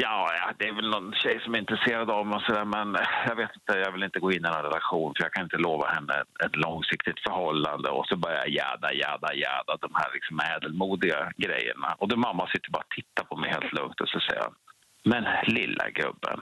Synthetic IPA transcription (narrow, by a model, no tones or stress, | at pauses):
jɑːjad̪ɛːɾvɛlnɔnɕɛjsɔmæɾɪnt̪ɾɛseːɾad̪avmɔsɔd̪æːɾmɛnjɑɡveːt̪ɪnt̪əjaːɡvɪlɪnt̪əɡoːɪnːɪnɔnɾɛlaɧuːnfœɾjakʰanɪnt̪əloːvahɛnːə̰ɛt̪lɔŋsɪkt̪ɪt̪fœɾhɔlːand̪əɔsɔbœɾjaja̰jæ̰ːd̪ajæ̰ːd̪ajæ̰ːd̪ad̪ɔmhæ̰ːɾlɪksɔmɛːd̪əlmuːd̪ɪɡaɡɾɛ̰jːə̰ɳa̰ʔɔd̪ɛmamːasɪt̪ːəɾbɑːɾat̪ʰɪt̪ːapʰɔmɛjheːlt̪ʰlɵŋt̪ɔsasɛja̰ | mɛnlɪlːa̰ɡɾɵ̰bːə̰n